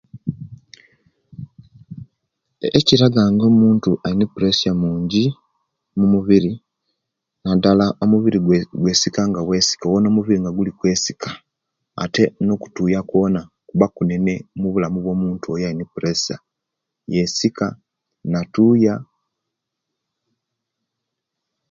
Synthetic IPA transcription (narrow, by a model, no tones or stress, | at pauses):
eciɾaɡaŋɡo̞ːmuːntuʔainepuɾe̞sjamuːɲɟi | mumuβiɾi | nadalaomuβiɾiɡwe̞ːsikaŋɡawe̞ːsi̥kawonoːmuβiɾiŋɡaɡulikwe̞ːsi̥kʰḁ̰ː | te̞no̞ku̥tuːjako̞na | kuβakune̞ne̞muβulamuβwo̞ːmuːntuojainepuɾesa̰ | jesika | natuːja